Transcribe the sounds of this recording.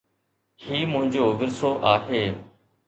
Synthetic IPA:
hiːmʊ̃ɦɪ̃ɲd͡ʑoːʋɪɾsoːʔaːɦeː

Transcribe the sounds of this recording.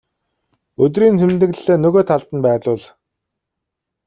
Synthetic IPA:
ɵt̪̬riːnt̪ʰemt̪ɘ̆ɣ̆ːeːnɵɣoːt̪ʰaɮt̪ə̆npæːrɮʊːɮ

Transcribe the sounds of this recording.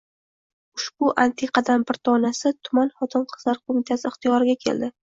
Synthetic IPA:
ʊʃbʊʔant̪ʰeqʰɑd̪ambɪɾt̪ʰɒnasɪt̪ʰʊmanχɒt̪ʰɪnqʰɨ̥z̥laɾqʰomɪt̪ʰasɪɪχt̪ijɒɾɪɡʲakʲʰe̞̰ld̪ɪ

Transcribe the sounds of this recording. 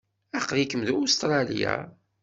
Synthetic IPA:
æqːɾikəmðuʊst̪ɾˤɑlḭja̰

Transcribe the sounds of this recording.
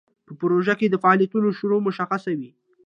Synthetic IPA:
pəpəɾoʒaked̪əfaɑːlijat̪unoʃʊɾomʊʃaxasawi

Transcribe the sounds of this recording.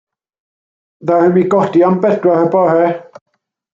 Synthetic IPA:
ðahəmiɡɔdiambɛdwahəbɔhɛ

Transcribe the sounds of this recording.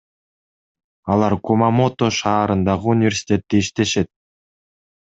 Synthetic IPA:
ɑlˠɑɾkomamo̞t̪oʃɑːɾɯnd̪ɑʁɯunʲɪvʲe̞ɾʲsʲi̥t̪ʲe̞t̪ːiiʃt̪e̞ʃe̞t̪̚

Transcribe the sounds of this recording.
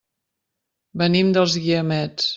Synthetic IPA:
bənimd̪əlˠzɣiəmɛt͡s

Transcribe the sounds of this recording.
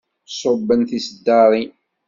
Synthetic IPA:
sˤʊbːənθisəd̪ːɑɾˤi

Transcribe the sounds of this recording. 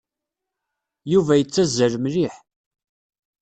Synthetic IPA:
juvæjət͡sːæzəɾmliħ

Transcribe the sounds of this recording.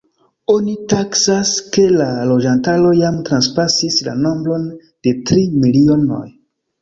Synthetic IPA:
o̞nitaksaske̞lalo̞d͡ʒantalo̞jamtɾanspasisla̰no̞mbɾo̞n | d̥e̞tɾimiliono̞̰j

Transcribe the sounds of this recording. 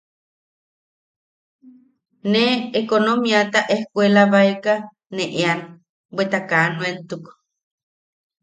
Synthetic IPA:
neːkonomiat̪aʔehkʷelaβaeka | neʔean | bwet̪akanuent̪uk

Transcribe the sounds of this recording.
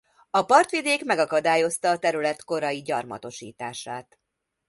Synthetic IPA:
ɒpɒrt̪ʋid̪eːkmɛɡɒkɒd̪aːjo̞st̪ɒːt̪ɛɾylɛt̪ko̞ɾɒjiɟɒrmɒ̰t̪o̞ʃḭːt̪aːʃaːt̪

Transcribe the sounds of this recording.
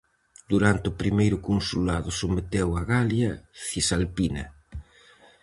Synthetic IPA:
d̪uɾant̪eʊpɾimejɾʊkunsulaðʊsomet̪ewaɣaljɐθisalpinɐ̰

